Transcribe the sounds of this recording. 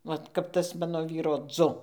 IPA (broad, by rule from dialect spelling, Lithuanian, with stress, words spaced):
ˈʋɐt kɐp ˈtɐs ˈmɑːnoː ˈʋʲiːroː ˈd͡zʊ